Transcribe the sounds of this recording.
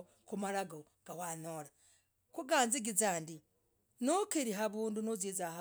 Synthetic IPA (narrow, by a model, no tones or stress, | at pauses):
kumaɾaɡo | ɡ̥awanoɾa | kuɡaːnziɡizaːndi | nokeɾiɦaβuːndunozezaha